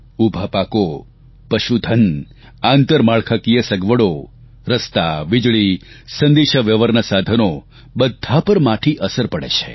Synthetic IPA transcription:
ubʱapako | pəʃud̪ʱən | ant̪əɾmaɭkʰakijəsəɡʋəɽo | ɾəst̪aʋɪd͡ʒɭisə̃nd̪eʃəʋjəʋəɾnəsad̪ʱəno | bəd̪ʱːapəɾmaʈʰiʔəsəɾpəɽḛt͡ʃʰe

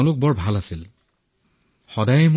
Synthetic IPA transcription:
ʊ̃lʊk̚bɔɹbʱalasil | xɔdajɛm

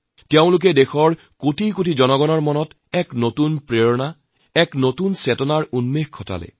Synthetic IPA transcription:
teʊ̃lʊk̬ɛdexɔɹ | kotʰikotʰizɔnɔɡɔnɔɹmɔnɔt | ɛknotunpɹeɹɔna | ɛknotunsɛtɔnaɹunmexkʰːɔta̰lɛ̰

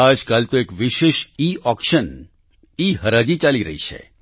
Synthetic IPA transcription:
ad͡ʒkalt̪oekʋɪʃeʃiɔkʃən | iɦəɾad͡ʒit͡ʃaliɾə̰ɦḭt͡ʃʰḛ

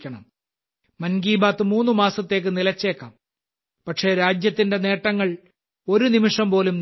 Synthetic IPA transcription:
kʲːɐɳɐ̰m | mɐnɡiːbaːt̪ːɨmuːnːɨmaːsɐt̪ːe̞ːk̬ːɨnilɐt͡ɕːe̞ːkːa̰ːm | pɐʈʂe̞ːɾaːd͡ʑjɐt̪ːinde̞ne̞ːʈːɐŋːɐɭ | o̞ɾunimiʂɐmpo̞ːlumn

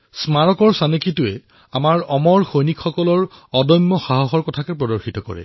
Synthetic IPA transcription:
smaɹɔkɔɹsanekitʊɛ | amaɹɔmɔɹxojnikʰxɔkɔlɔɹɔdɔjmːɔxaɦɔxɔɹkɔtʰakɛpɹɔdɔɹxitɔkɔ̰ɹɛ̰

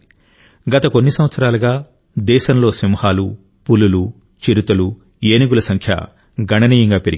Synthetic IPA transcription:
ɡɐt̪ɐko̞nːisɐmʋɐt̪sɐɾaːlɐɡaː | d̪ɛːʃɐmlo̞ːsimhaːlu | pululu | t͡ʃiɾut̪ɐlu | eːniɡulɐsɐŋkʰjɐ̰ | ɡʱɐɳɐniːjɐŋɡaːpeɾḭɡ

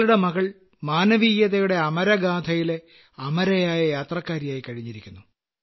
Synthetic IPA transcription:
luɽe̞mɐɣɐɭ | maːnɐʋijjɐðɐjuɽe̞ɐmɐɾɐɡaːd̪ʱɐjile | ɐmɐɾɐjaːjɐjaːt̪rɐkːaːɾjaːjikɐɻiɲːiɾikʲːunːu

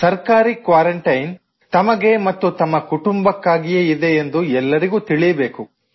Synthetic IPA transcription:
sɐɾkaːɾikʋaːɾɐɳʈɐjn | t̪ɐmɐɡe̞mɐt̪ːut̪ɐmːɐkuʈumbɐkːaːɡijeid̪e̞ːnd̪uɛlːɐɾiɡuːt̪iɭijɐbe̞ːku

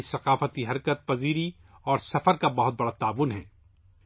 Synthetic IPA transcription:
sɐqaːfət̪iɦɐɾkət̪̚pɐziːɾi | ɔːɾsɐfəɾkabɐɦʊt̪̚bɐɽat̪aːʋʊnɦɛ̰̃ː

